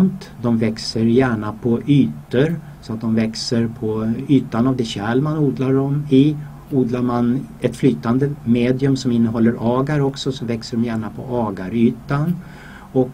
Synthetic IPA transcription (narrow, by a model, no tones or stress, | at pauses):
mt̪ | d̪ɔmvɛksəɾjæːɳapʰɔʔyːt̪əɾ | sɔat̪̚d̪ɔmvɛksəɾpʰɔyːt̪anavd̪ɛɕɛlmanuːd̪laɖɔmɪ | uːd̪laɾmanɛt̪flyːt̪and̪əmeːd̪ɪɵmsɔmɪnːəɦɔlːəɾʔɑːɡaɾɔksɔsɔvɛksəɖɔmjæːɳapʰɔʔɑːɡaɾyːt̪an | ɔk